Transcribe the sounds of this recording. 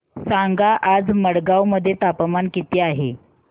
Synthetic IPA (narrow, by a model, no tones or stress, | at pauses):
saŋɡaʔad͡zməɽɡawməd̪ʱːjet̪apəmankit̪iːaɦḛ